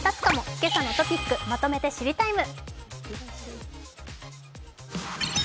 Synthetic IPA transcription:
t̪at͡sɨ̥kamo̞̥ke̞sanot̪o̞pʲikːɯ̟mat̪o̞me̞t̪e̞ɕiɾʲit̪aimɯ̟

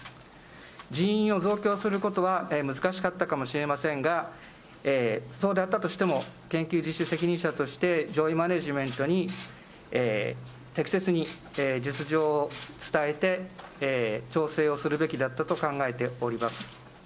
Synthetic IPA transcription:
d͡ʑiĩɰ̃o̞zo̞ːkʲo̞ːsɨɾɯ̟ko̞t̪o̞βaemɯ̟zɨkaɕi̥kat̪ːakamo̞ɕiɾe̞masẽ̞ŋɡa | eːso̞ːd̪eat̪ːat̪oɕi̥t̪e̞mo̞kẽ̞ŋkʲɨːʑiɕise̞kʲiɲ̟ĩɰ̃ɕat̪o̞ɕi̥t̪e̞d͡ʑo̞ːimane̞ʑimẽ̞nt̪o̞ɲ̟i | e | t̪e̞kʲi̥se̞t͡sɨɲ̟i | d͡ʑit͡sɨʑo̞ːt͡sɨ̥t̪aet̪e̞ | t͡ɕo̞ːse̞ːo̞sɨɾɯ̟be̞kʲid̪at̪ːat̪o̞kãŋɡae̞t̪e̞o̞ɾʲimasɨ̥

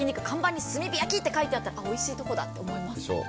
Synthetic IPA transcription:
iɲikɯ̟kʰãmbãɲ̟ːisɨmʲibʲijakʲit̪ːe̞kait̪eat̪ːaɾa̰ʔo̞iɕiːt̪o̞ko̞d̪a̰t̪ːe̞omo̞imasɨso̰ː

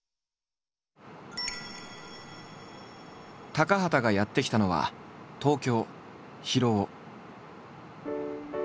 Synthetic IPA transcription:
t̪akaɦat̪aɡajat̪ːe̞kʲi̥t̪ano̞βa̰t̪o̞ːkʲo̞ː | çiɾo̞ː

